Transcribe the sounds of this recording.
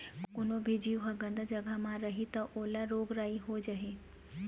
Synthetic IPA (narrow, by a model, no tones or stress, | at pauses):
kkʊnobʱid͡ʒiːʋɦəɡə̃nd̪ʱd͡ʒɐɡəmãɾɐɦit̪ɐʔoːlaɾoːɡɾaːiɦod͡ʒaɦe